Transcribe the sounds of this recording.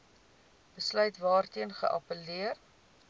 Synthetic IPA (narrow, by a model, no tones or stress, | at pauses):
b̥əslœɥtvɑːrtiənχə̰ʔɐ̰pəliər